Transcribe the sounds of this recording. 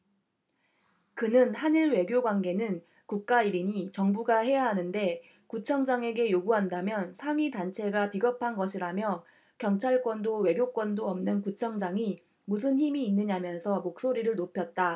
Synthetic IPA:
kɯnɯnhaniɭwe̞ɡjoɡwanɡe̞nɯn | kuk̚k͈aiɾiɲit͡ɕʌŋbuɡaɦe̞jaɦanɯnde̞ | kut͡ɕʰʌŋd͡ʑaŋe̞ɡe̞joɡuɦandamjʌnsʰaŋɥidant͡ɕʰe̞ɡapiɡʌpʰanɡʌɕʰiɾamjʌ | kjʌŋt͡ɕʰaɭk͈wʌndowe̞ɡjok͈wʌndoʌmnɯnkut͡ɕʰʌŋd͡ʑaŋi | mus̬ʰɯnçimiːnːɯɲamjʌnsʰʌmok̚s͈oɾiɾɯɭnopʰjʌt̚t͈a

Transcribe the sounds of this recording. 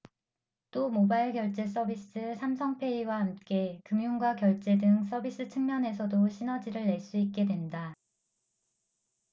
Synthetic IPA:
t͈omobaiɭɡjʌɭt͡ɕ͈e̞s̬͈ʰʌbis͈ɯsʰamsʰʌŋpʰe̞iwahamk͈e̞kɯmjuŋɡwakjʌɭt͡ɕ͈e̞dɯŋs̬ʰʌbis͈ɯt͡ɕʰɯŋmjʌne̞s̬ʰʌdoɕʰinʌd͡ʑiɾɯɭːe̞ɭs͈uik̚k͈e̞dwe̞nda

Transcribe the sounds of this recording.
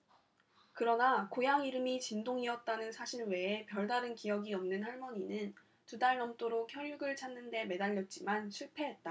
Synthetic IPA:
kɯɾʌnakojaŋiɾɯmit͡ɕindoŋiʌt̚t͈anɯnsʰaɕʰiɾwe̞ːpjʌɭdaɾɯnkijʌɡiʌmnɯnɦaɭmʌɲinɯn | tudaɭnʌmt͈oɾokʰjʌɭjuɡɯɭt͡ɕʰanːɯnde̞me̞daʎːʌt̚t͡ɕ͈imanɕʰuɭpʰe̞ɦe̞t̚t͈a

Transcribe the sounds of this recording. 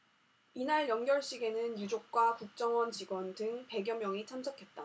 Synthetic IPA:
inaɭjʌŋɡjʌɭɕ͈iɡe̞nɯnjud͡ʑok̚k͈wakuk̚t͡ɕ͈ʌŋwʌnt͡ɕiɡwʌndɯŋpe̞ɡjʌmjʌŋit͡ɕʰamsʰʌkʰe̞t̚t͈a

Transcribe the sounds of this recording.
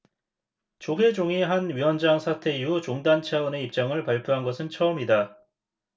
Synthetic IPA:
t͡ɕoɡe̞d͡ʑoŋiɦanɥiwʌnd͡ʑaŋsʰatʰe̞iut͡ɕoŋdant͡ɕʰaʌne̞ip̚t͡ɕ͈aŋɯɭpaɭpʰjoɦanɡʌsʰɯnt͡ɕʰʌʌmida

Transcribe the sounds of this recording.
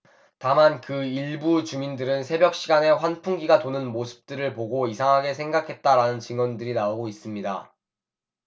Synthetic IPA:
tamankɯiɭbut͡ɕumindɯɾɯnsʰe̞bjʌk̚ɕ͈ʰiɡane̞ɸwanpʰuŋɡiɡatonɯnmosʰɯ̥p̚t͈ɯɾɯɭpoɡoisʰaŋɦaɡe̞sʰeŋɡakʰe̞t̚t͈aɾanɯnt͡ɕɯŋwʌndɯɾinaoɡois͈ɯmɲida

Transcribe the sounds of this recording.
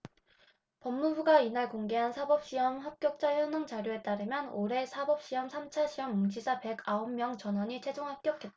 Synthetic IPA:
pʌmːubuɡainaɭkoŋɡe̞ɦansʰabʌp̚ɕ͈iʌmɸap̚k͈jʌk̚t͡ɕ͈ajʌnɯŋt͡ɕaɾjoe̞t͈aɾɯmjʌnoɾe̞sʰabʌp̚ɕ͈iʌmsʰamt͡ɕʰaɕʰiʌmːund͡ʑʰisʰape̞ɡaommjʌŋt͡ɕʌnɦwʌɲit͡ɕʰe̞d͡ʑoŋɦap̚k͈jʌk͈ʰːet̚t͈

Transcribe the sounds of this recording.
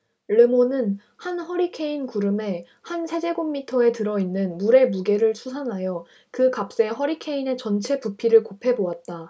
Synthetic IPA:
ɭɯmonɯn | hanhʌɾikʰe̞inkuɾɯme̞ | hansʰe̞d͡ʑe̞ɡomːitʰʌe̞tɯɾʌinːɯnmuɾe̞muɡe̞ɾɯɭsʰusʰanɦajʌ | kɯkap̚s͈e̞ɦʌɾikʰe̞ine̞t͡ɕʌnt͡ɕʰe̞pupʰiɾɯɭkopʰe̞boat̚t͈a

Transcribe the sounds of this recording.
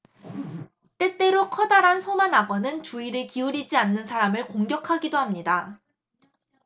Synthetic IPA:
t͈e̞t͈e̞ɾokʰʌdaɾansʰomanaɡʌnɯnt͡ɕuiɾɯɭkiuɾid͡ʑianːɯnsʰaɾamɯɭkoŋɡjʌkʰaɡidohamɲida

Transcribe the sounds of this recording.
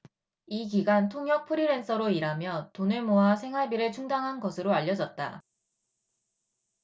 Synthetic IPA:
iɡiɡantʰoŋjʌk̚pʰɯɾiɾe̞ns͈ʰʌɾoiɾamjʌtonɯɭmoɦasʰe̞ŋɦaɭbiɾɯɭt͡ɕʰuŋdaŋɦanɡʌsʰɯɾoaʎːʌd͡ʑʌt̚t͈a̰

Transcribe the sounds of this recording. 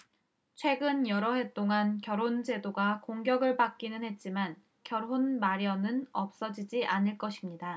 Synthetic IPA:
t͡ɕʰwe̞ɡɯnjʌɾʌɦe̞t͈oŋankjʌɾond͡ʑe̞doɡakoŋɡjʌɡɯɭpak͈̚inɯnɦhe̞t̚t͡ɕ͈iman | kjʌɾɦonmaɾjʌnɯnʌp̚s͈ʌd͡ʑid͡ʑiʔanɯɭk͈ʌɕʰimɲida

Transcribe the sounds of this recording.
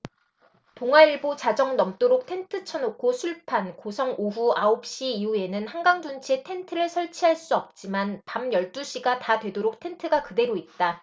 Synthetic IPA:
toŋɦwaiɭbot͡ɕad͡ʑʌŋnʌmt͈oɾok̚tʰe̞ntʰɯt͡ɕʰʌnokʰosʰuɭpʰankosʰʌŋoɸuaop̚ɕ͈iiue̞nɯnhanɡaŋd͡ʑunt͡ɕʰetʰe̞ntʰɯɾɯɭsʰʌɭt͡ɕʰiɦaɭs͈uʌp̚t͡ɕ͈imanpamjʌɭt͈uɕ͈ʰiɡatadwe̞doɾok̚tʰe̞ntʰɯɡakɯde̞ɾoit̚t͈a

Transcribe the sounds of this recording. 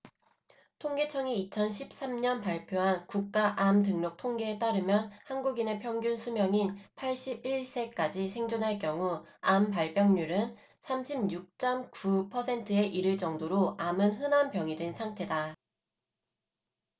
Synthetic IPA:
tʰoŋɡe̞t͡ɕʰʌŋiit͡ɕʰʌnɕʰip̚s͈amɲʌnpaɭpʰjoɦankuk̚k͈aʔamtɯŋnʌk̚tʰoŋɡeːt͈aɾɯmjʌnhanɡuɡine̞pʰjʌŋɡjunsʰumjʌŋinpʰaɭɕ͈ibiɭs͈e̞k͈ad͡ʑisʰe̞ŋd͡ʑonɦaɭk̬͈jʌŋuampaɭp͈jʌŋɲuɾɯn | sʰamɕʰimjuk̚t͡ɕ͈ʌmkupʰʌsʰe̞ntʰɯe̞ʔiɾɯɭt͡ɕʌŋdoɾoamɯnɦɯnampjʌŋidwe̞nsʰaŋtʰe̞da

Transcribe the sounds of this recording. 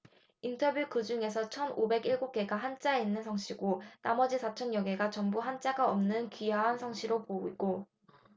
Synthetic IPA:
intʰʌbjukɯd͡ʑuŋe̞sʰʌt͡ɕʰʌnobe̞ɡiɭɡok͈e̞ɡaɦant͡ɕ͈ainːɯnsʰʌŋɕʰiɡonamʌd͡ʑisʰat͡ɕʰʌnjʌɡe̞ɡat͡ɕʌŋbuɦant͡ɕ͈aɡaʌmnɯnkijaɦansʰʌŋɕʰiɾopoiɡo

